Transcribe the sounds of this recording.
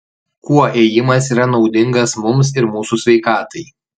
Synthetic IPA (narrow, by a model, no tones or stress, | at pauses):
kuɔʔeːjɪmɐs̬iːɾɐnɒʊd̪ʲɪŋɡɐsmʊms̬ɪɾmuːsusʲʋʲɛɪkɑːt̪ɐɪ